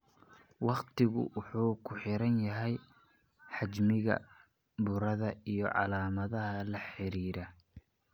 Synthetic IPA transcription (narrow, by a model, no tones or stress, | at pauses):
wɑqt̪ʰɪɣʊ̰wʊħuːkʰʊħɪɾɐnjɐɦɛj | ħɑt͡ʃmɪɣɐ̰ | bʊɾɐðɐijɞʕɑ̰laːmɐðɐɦɐlɐħɪɾiːɾɐ